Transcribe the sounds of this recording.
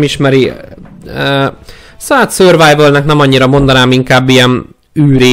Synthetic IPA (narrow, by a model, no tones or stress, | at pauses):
miʃmɛɾi | saːt̪søːrvajvølnɛknɛmɒɲːiɾɒmo̞nd̪ɒnaːmiŋkaːbːijɛn | yːɾeː